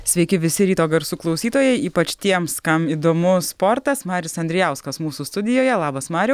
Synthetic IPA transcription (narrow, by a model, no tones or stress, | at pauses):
sʲʋʲɛɪkʲɪʋʲɪsʲɪɾʲiːt̪oːɡɐɾsuːklˠɒʊsʲiːt̪oːjɛɪiːpɐt͡ʃt̪ʲiɛmskɐmiːd̪oːmʊspoːɾt̪ɐsmɑːɾʲɪsɐnʲd̪ʲɾʲɪjɛˑʊskɐsmuːsuːst̪ʊd̪ʲɪjoːjɛlˠɑːbɐsmɑːɾʲɛ